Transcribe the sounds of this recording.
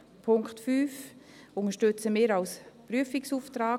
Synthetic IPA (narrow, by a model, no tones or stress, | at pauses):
pʰʊŋkχtfyːf | ʊŋəʃtøt͡səmɪːɾalspɾyəfiksuːftɾaː